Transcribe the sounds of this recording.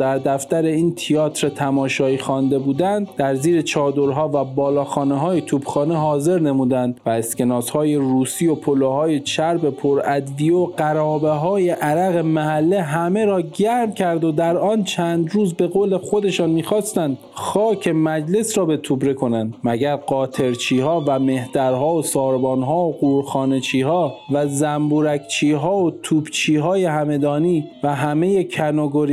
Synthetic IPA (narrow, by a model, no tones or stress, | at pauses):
d̪æɾd̪æft̪æɾe̞iːnt̪ʰiɒːt̪ʰɾet̪ʰæmɒːʃɒːiːxɒːnd̪e̞buːd̪ænd̪d̪æɾziːɾe̞t͡ʃʰɒːd̪o̞ɾɦɒːvæbɒːlɒːxɒːneɦɒːjet̪ʰuːb̥xɒːneɦɒːze̞ɾne̞muːd̪ænd̪væeske̞nɒːshɒːje̞ɾuːsiːo̞pʰolohɒːjet͡ʃʰæɾbe̞pʰoɾæd̪vijoɢæɾɒːbeɦɒːje̞ʔæɾæɣemæɦælːeɦæme̞ɾɒːɟæɾmcʲʰæɾd̪od̪æɾɒːnt͡ʃʰæːnd̪ɾuːzbe̞ɣoːle̞xo̞d̪e̞ʃɑːnmiːxɒːst̪ænd̪ | xɒːcʰe̞mæd͡ʒle̞sɾɒːbe̞t̪ʰubɾe̞kʰo̞nænd̪mæɡæɾɢɒːt̪ʰe̞ɾt͡ʃʰiːhɒːvæme̞hd̪̥æɾɦɒːosɒːɾbɒːnɦɒːoɡuːɾxɒːnet͡ʃʰiːhɒːvæzæmbuːɾækʰt͡ʃʰiːɦɒːot̪ʰuːbt͡ʃʰiːɦɒːje̞ɦæme̞d̪ɒːniːvæɦæme̞je̞cʰænoɡoɾi